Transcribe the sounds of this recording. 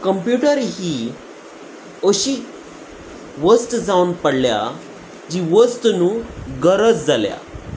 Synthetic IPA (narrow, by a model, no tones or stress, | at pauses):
kəmpjuʈəɾɦi | əɕi | ʋəst̪d͡zawnpəɽlja̰ | d͡ʑiʋəst̪nuːɡəɾət͡sd͡zalja̰